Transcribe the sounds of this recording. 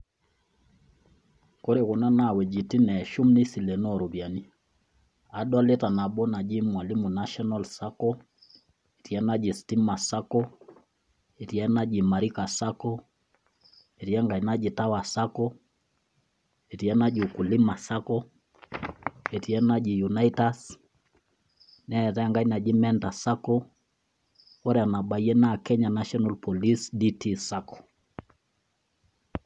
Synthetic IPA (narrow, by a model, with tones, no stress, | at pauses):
ko˦ɾɛ˨kɔ˨na˦na˨wɛ˨d͡ʒi˨ti˦nɛ˨ʃu˦mni˦si˨lɛ˨nɔ˦˨ɾu˨βja˨ni˨ | a˨ɗa˦lɛ˦ta˨na˨ɓɔ˦na˨d͡ʒi˦mwa˨li˦mu˨na˦ʃɔ˦na˦lsa˦kɔ˦ | e˨ti˨ɛ˦na˦d͡ʒi˨sti˦ma˨sa˦kɔ˦ | e˨ti˨ɛ˦na˦d͡ʒi˨ma˨ɾi˦ka˨sa˦kɔ˦ | e˨ti˦ɛ˦ŋɡa˨i˨na˦d͡ʒi˨ta˦wa˨sa˦kɔ˦ | e˨ɾi˨ɛ˦na˦ʄku˨li˦ma˨sa˦kɔ˦ | e˨ti˨ɛ˦na˦d͡ʒi˨ju˨na˦ita˦s | nɛ˦˨ɾɛ˦˨ŋɡa˨i˦na˨d͡ʒi˦mɛ˦nta˨sa˦kɔ˦ | wɔ˦ɾɛ˨a˨na˨ɓa˨i˦ɛ˦na˦˨kɛ˦ɲa˨na˦ʃɔ˦na˨lpɔ˨li˦sdi˦tʰi˦sa˦kɔ̥˨